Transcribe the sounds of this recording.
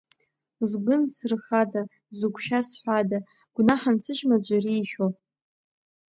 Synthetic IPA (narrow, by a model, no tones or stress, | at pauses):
zɡʷʊnsrχada | zuɡʷʰʃᶣasħʷada | ɡ̥ʷnaħant͡sʰɨʒmad͡ʒʷariːʃᶣo